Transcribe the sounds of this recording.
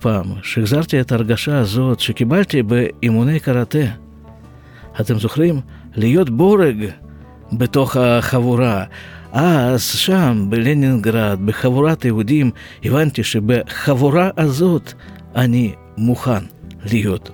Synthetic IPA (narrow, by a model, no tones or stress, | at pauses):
paːmʃiɡzaɾt̪ʲiet̪aɾɡaʃaːzo̞t̪ʃekibalt̪ʲibeimune̞jkaɾat̪e | at̪emzoχɾim | lijo̞t̪bo̞ɾeɡ | bet̪o̞χaχavuɾaʔaz̥ʃambelenʲinɡɾad̪̚beχavuɾat̪jeɦud̪ʲim | ivant̪ʲiʃebeχavuɾaʔazo̞t̪ | anʲi | muχanlijo̞t̪